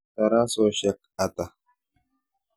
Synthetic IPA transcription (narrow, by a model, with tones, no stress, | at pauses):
t̪a˨ɾa˦so˨ʃa˦k | a˨t̪a˨